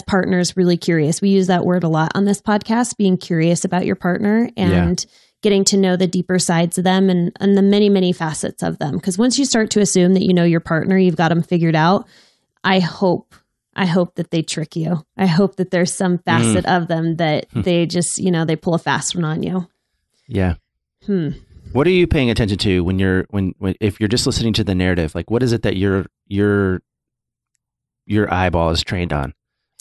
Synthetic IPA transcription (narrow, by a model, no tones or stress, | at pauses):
pʰɑɹʔⁿnə˞zɹɪlˠikʰj̥ʊɹiɨswijʉzðəʔwʔɜ˞ɾəlɔɾn̩ðɪspʰɑd̚kʰæst̚b̥iɪ̃ŋkʰj̥ʊɹiɨsɨbaʊt͡ʃə̰˞pʰɑɹtⁿnə˞ɨ̃n | ɡ̥ɛɾɪ̃ŋtʰɨnoʊðɨdipə˞saɪdz̥ʌvðɨ̃mɨ̃nɨ̰̃nðɨmɛɾ̃imɛɾ̃ifæsɨ̰tsʌ̰vðə̰̃mkʰʌzwʌ̃nsjɨstɑɹtʰɨɨsʉ̃mðɨt͡ʃɨ̰noʊjə˞pʰɑɹʔⁿnə˞jʉvɡɑɾɨ̃ɱfɪɡjə˞ɾaʊt̚ | ʔaɪhoʊp̚ | ʔa̰ɪɦoʊp̚ðɨt̪̚ðeɪtʰɹ̥ɪkjʉʔaɪɦoʊp̚ðɨt̪̚ðə˞z̥sʌ̃ɱfæsɨɾʔʌvðɨ̃mðɨt̪̚ðeɪd͡ʒʌstjɨnoʊðeɪpʰʊlˠəfæ̰stwʌ̃nə̃njʉ | jæ | m̥m̩wʌɾə˞jɨpʰeɪɪ̃ŋɨtʰɛ̃nʃɨ̃ntʰɨwə̃njə˞wɨ̃nwɨ̃ɪfjə˞d͡ʒʌstˡlɪsnɪ̃ŋtʰɨðɨnɛɹɨɾɪv̥laɪkwʌɾɨzɨt̪̚ðɨ̰t͡ʃə˞ | jə˞ | jə˞ʔa̰ɪbɔ̰lˠəz̥tʰɹ̥ẽɪ̃ndn̩